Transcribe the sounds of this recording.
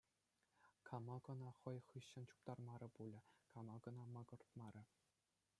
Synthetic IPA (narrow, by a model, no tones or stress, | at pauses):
kʰɑmɑɡɤ̆nɑχɤ̆jχɯɕːɘ̆nt͡ɕu̥p̚t̪ɑrmɑɾʲɤ̆pulʲɘ̆kɑmɑɡɤ̆nɑmɑɡɤ̆rt̪mɑɾʲɘ̆